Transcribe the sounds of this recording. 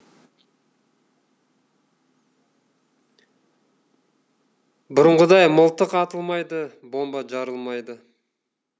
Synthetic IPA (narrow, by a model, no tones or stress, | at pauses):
bʊɾəɴʁəd̪ɑjməlˠt̪əqɑt̪əlˠmɑjd̪əbo̞mbɑʒɑɾəlˠmɑjd̪ə